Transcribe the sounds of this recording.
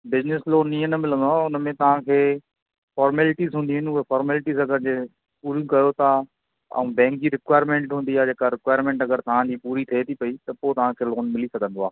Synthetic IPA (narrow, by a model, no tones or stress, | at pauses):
bɪzɪnɪsloːniːə̃nɐmɪlə̃nd̪oaːʊnəmẽt̪ɐʋ̤ãkʰeː | fɔːɾmeːlɪʈizɦũːnd̪iɦʊnɪʊɦefɔːɾmeːlɪʈizɐɡəɾd͡ʑe | puːɾjũkɐjot̪a | ɐ̰ũbɛ̃ːŋkiɾɪkwaːɪɾmẽːɳʈɦũːnd̪iaːd͡ʑeːkaɾɪkwaːɪɾmẽːɳʈɐɡəɾt̪ɐʋ̤ãd͡ʑiːpuːɾit̪ʰɐet̪ʰipɐit̪ɐpot̪ɐʋ̤ãkʰeːloːnmɪlisɐɡʱə̃nd̪oaː